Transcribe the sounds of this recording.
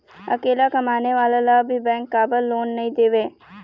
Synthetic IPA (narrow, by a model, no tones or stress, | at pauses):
ɐ̰keːlakɐmaːneʋaːlalabʱibɛ̃ːŋkːaːbəlːoːnːɐɦĩd̪eːʋeː